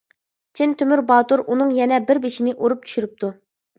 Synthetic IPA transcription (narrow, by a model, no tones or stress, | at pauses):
t͡ʃʰint̪ʰømyɾbɑːt̪uɾʔunɨŋjɛnɛbɪɾbeʃinɪʔoɾup̚t͡ʃʰy̥ʃyɾyp̚t̪ʰu